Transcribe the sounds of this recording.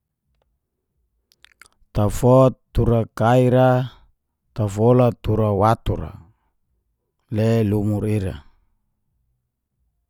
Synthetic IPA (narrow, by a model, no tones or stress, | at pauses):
t̪afɔt̪ːuɾakaiɾa | t̪afolat̪uɾawat̪uɾa̰ | lelumuɾiɾa̰